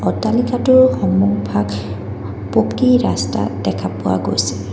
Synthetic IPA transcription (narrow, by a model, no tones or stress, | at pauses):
ɔtalikatʊɹxɔŋmuɡbʱak | pokiɹasta̰dɛkʰapʊwa̰ɡo̰jsɛ̥